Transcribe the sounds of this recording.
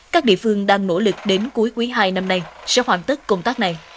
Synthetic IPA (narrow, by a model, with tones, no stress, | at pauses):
kaː˦˥k̚ɗḭ˧˨əfɨ˧əŋɗaː˧ŋno̰˧˥˩lɨ˨˩k̚ɗe˨˦nku˨˦jkwi˨˦ɦaː˧jna˧mna˧jsɛ̰˧˥hwaː˧˩nt̪i˦˥kkə˧wŋ͡mt̪aː˦˥k̚na˨˩j